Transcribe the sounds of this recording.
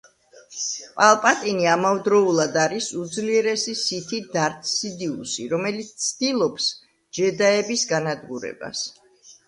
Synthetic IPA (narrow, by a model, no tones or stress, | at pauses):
pʼalˠpʼat̪ʼiniamavd̪ɾɔulˠad̪aɾisud̪zliɛɾɛsisit̪ʰid̪aɾt̪ʰʼsid̪iṵsḭɾɔmɛlit̪st̪sʰd̪ilˠɔps | d͡ʒɛd̪aɛbisɡanad̪ɡuɾɛ̰ba̰s